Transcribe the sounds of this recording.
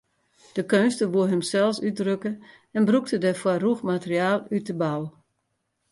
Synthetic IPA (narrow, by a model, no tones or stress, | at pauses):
d̥əkønstəʋuəɦəmsɛlˠsydrøkə | ɛnbruk̚tədɛfwɔruxmatəriaːlˠytəbalˠ